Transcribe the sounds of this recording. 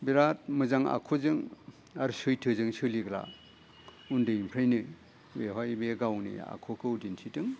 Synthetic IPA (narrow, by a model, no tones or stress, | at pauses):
biɾat̚mɯzaŋa̰kʰozɯŋ | aɾsɯjtʰɯzɯŋsɯliɡla̰ | undɯimpʰɾajnɯ | beɦɔjbeɡawnḭa̰kʰokʰɯudinsʰitɯŋ